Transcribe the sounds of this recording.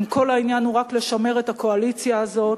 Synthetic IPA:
mko̞lainjanuʁakleʃame̞ʁe̞tako̞alit͡sjaːzo̞t

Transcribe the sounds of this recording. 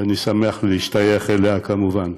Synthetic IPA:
anisameaχleiʃtajeχeleakamuvan

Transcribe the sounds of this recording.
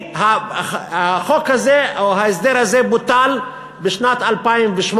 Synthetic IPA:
haaχokhazeoɦaes̬d̪eʁhazebut̪al | beʃnat̪alpaimveʃm

